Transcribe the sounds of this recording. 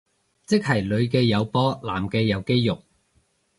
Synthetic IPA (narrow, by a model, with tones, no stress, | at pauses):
t͡sɪ˥k̚hɐ˨˩jlɵ˨˧ɥkɛː˧jɐ˨˧wpɔː˥laː˨˩mkɛː˧jɐ˨˧wke˥jːʊ˨k̚